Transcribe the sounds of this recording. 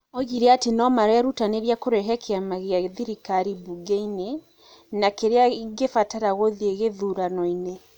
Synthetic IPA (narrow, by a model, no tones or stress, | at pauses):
ɔɣiɾeatenɔmaɾeaɾutaneɾjakoɾɛɦɛkʰeamaɣeaðiɾikaɾibuɡeine | nakeɾeaɡefataɾaɣoðieɣeðuɾanɔine